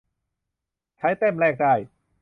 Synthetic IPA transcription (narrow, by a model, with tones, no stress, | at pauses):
t͡ɕʰa˦˥jt̪e˥˩mlɛː˧˩k̚daː˧˩j